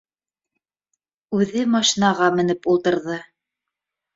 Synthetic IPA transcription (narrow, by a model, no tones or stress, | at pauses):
ʉðɘmɑʃinɑʁɑmɘ̆nɘpulˠt̪ɤ̆ɾðɤ